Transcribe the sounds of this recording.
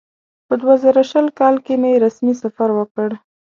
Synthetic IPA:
pəd̪wazɑɾaʃəlkɑlkemjeɾasmisafaɾwəkəɽ

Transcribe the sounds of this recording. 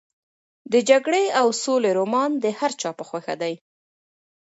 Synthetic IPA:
d̪əd͡ʒaɡɽeawsoleɾomɑnd̪əhaɾt͡ʃɑpəxwaxa̰d̪aj

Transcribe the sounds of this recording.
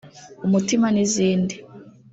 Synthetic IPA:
umutimaniziːndi

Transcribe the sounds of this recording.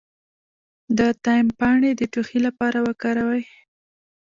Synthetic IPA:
d̪ət̪ɑjɪmpɑɳed̪əʈuxilapɑɾawəkɑɾawaj

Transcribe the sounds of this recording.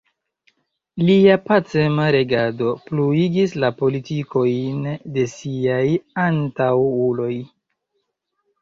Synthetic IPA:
liapat͡se̞maɾe̞ɡado̞pluiɡislapo̞litiko̞jnde̞siajantawulo̞j

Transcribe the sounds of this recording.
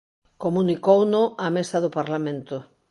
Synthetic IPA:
komunikownʊamesaðopaɾlamẽnt̪o

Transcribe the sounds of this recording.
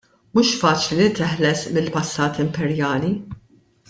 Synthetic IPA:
muːʃfɐːt͡ʃlit̪ɛħlɛsmɪlpɐsːɐːt̪ɪmpɛɾjɐːli

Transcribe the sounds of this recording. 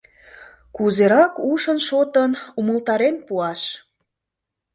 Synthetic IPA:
kuzeɾɑkuʃənʃot̪ənuməlt̪ɑɾenpuɑʃ

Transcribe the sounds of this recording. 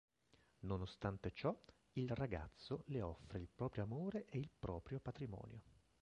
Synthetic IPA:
nonost̪ant̪et͡ʃɔ | ilraɡa̰t̪sːoleɔfːɾeilpɾɔːpɾjoamoːɾeʔeilpɾɔːpɾjopat̪ɾimɔ̰ːnjo

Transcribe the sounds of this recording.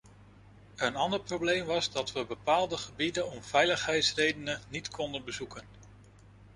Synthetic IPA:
ənɑndəɹprowblejmʋɑzdɑtʋəbəpaːlˠdəχəbidənɔmv̥ɛjləχɦɛjtsrejdənənitkʰɔndənbəzukən

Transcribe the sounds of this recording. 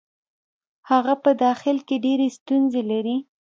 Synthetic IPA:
haɣapəd̪ɑxɪlkeɖeɾest̪unzelaɾi

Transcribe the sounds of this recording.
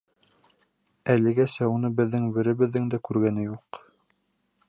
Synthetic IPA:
ælɘ̆ɡæsæunɤbɘ̆ðːɘŋbɘ̆ɾɘ̆βɘ̆ðːɘŋd̪ækʉɾɡænɘjuq

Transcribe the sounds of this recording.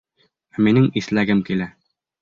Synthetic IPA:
minɘŋislæɡɘmkilæ

